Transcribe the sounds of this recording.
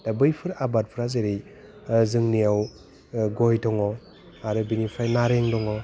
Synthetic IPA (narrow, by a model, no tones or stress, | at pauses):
d̥abɯjpʰɯɾabat̚pʰɯɾazeɾij | zɯŋnijaw | ɡɔjdɔŋɔ | aɾɯbinipʰajnaɾeŋdɔŋɔ